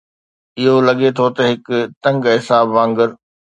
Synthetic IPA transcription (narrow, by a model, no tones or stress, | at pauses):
ɪɦolɐɠet̪ʰot̪ɐɦɪkt̪ɐ̃ŋɡɦɪsaːbʋãːŋɡəɾ